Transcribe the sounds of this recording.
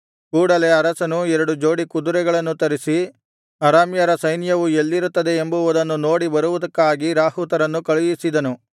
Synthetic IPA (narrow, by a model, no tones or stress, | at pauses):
kuːɽɐle̞ɐɾɐsɐnuɛɾɐɽud͡ʒo̞ːɽikud̪uɾɛɡɐɭɐnːut̪ɐɾisi | ɐɾaːmjɐɾɐsɐjnjɐʋue̞lːiɾut̪ːɐd̪e̞ːmbuʋud̪ɐnːuno̞ːɽibɐɾuʋud̪ɐkːaːɡiɾaːɦut̪ɐɾɐnːukɐɭujisid̪ɐnu